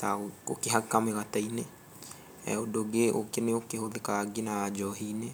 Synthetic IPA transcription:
t̪aookeɦakameɣat̪aine | ɛ̰odoɡeʔo̰keneokeɦoðekaɡinad͡ʒɔɦine

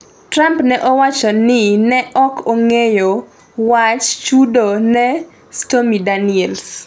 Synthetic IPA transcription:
tɾampnɛʔɔwat͡ʃɔnɪnɛʔɔkʰoŋejo | wat͡ʃt͡ʃudonɛ | stomidaniɛls

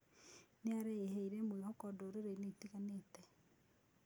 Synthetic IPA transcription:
neaɾeeɦɛiɾemwehɔkɔdoɾeɾeineiteɣanetɛ

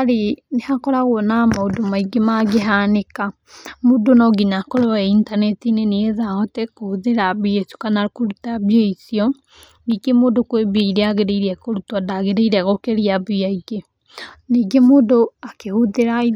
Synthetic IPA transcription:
aɾenehakɔɾaɣonamaodomaiɡemaɡeɦaneka | modonɔɡiɲakɔɾɔɛintanɛtineneeðaɔtɛkohoðeɾaβiesu̥kanakoɾutaβjeisiɔ | niɡemoːdokweβeiɾeaɣeɾeiɾiɛkoɾutadaɣeɾeiɾɛɣɔkeɾiaβiaiɡe | niːɡemoːdoakehoðeɾai

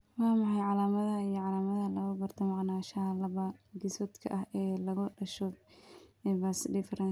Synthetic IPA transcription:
wɑːmɑħɑjʕɑlaːmɐðɐijɔʕɑlaːmɐðɐlɐɣʊbɐrt̪ʰɔmɑʕnaːʃɐɦɐlɐβɐɡɪsɔd̪kʰɐʔɐɦɛːlɐɣʊɖɐʃɔ | ɛːbasɪdɪfɐɾɐ

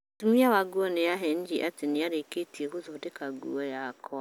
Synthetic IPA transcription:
tumiawaɡuɔnejaɦɛɲd͡ʒiʔatenijaɾeketiekozoodekaɡṵɔjakʰɔ

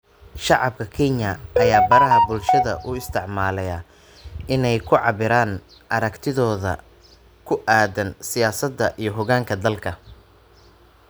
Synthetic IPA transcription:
ʃɑʕɑb̚kʰɐkʰɛɲɐʔɐjaːbɐɾɐɦɐbʊlʃɐðɐ̰ʔʊɪst̪ʰɪʕmaːlɛjɐ | ʔɪnɛjkʰʊʕɑβɪɾaːn | ʔɐɾɐkt̪ʰɪðɔːðɐ̰ | kʰʊʔaːd̪ɐnsɪjaːsɐd̪ːɐʔijɞɦʊɣaːŋkʰɐd̪ɐlkʰɐ

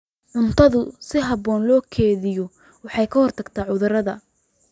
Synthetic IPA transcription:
ʕʊnt̪ʰɐðʊsɪɦɑβɔːnlɔːkʰɛːðɪjɔ | wɑħɑjkʰɐhɔrt̪ʰɐɡt̪ʰaːʕʊðɐɾɐðɐ

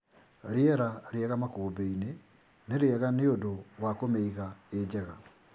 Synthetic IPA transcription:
ɾeɛɾaɾeɛɣamakoːbeine | neɾeɛɣaneodowakomeiɣaed͡ʑɛɣa

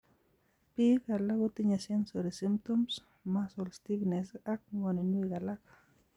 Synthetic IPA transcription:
pikalakut̪iɲasensoɾisimp̚t̪oms | masolst̪iknesak̚ŋonenwikalak

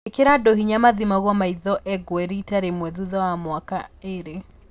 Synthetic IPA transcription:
ekeɾadoɦiɲamaðimaɣwɔmaiðɔʔɛɡwɛɾitaɾemwɛðuðɔwamwaka̰eɾe

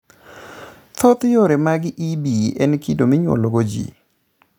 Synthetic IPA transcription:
t̪ʰot̪joɾemaɡɪʔibiʔɛnkidomiɲwo̰lɡod͡ʒḭ

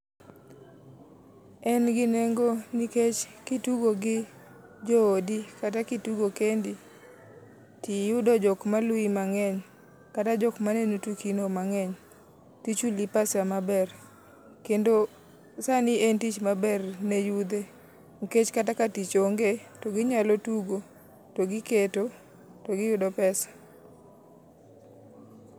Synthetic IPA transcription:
ɛnɡɪneŋɡoniket͡ʃkituɡoɡɪ | d͡ʒoodikatakituɡokendi | tijudod͡ʒɔkmalwimaŋɛɲ | katad͡ʒɔkmanenutukinomaŋɛɲ | tit͡ʃulipasjamabɛr | kendo | sanɪentit͡ʃmabɛrnejud̪e | ŋ̩ket͡ʃkatakatit͡ʃoŋɡetoɡɪɲalotuɡo | toɡɪketo | toɡɪjʊdɔpɛsḁ

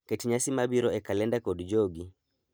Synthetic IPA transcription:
ketiɲasimabiɾɔɛkalɛndakɔdd͡ʒoɡi

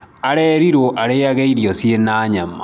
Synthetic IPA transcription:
aɾɛɾiɾoʔaɾeaɣeiɾjɔsienaːɲama̰

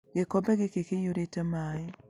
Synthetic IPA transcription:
ɡekɔbɛɡekekejoɾetamaɪ

